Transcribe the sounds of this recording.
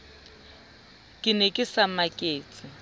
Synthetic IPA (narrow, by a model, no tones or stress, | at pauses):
kʼɪnɛkʼɪsamakʼeːt͡sʼɪ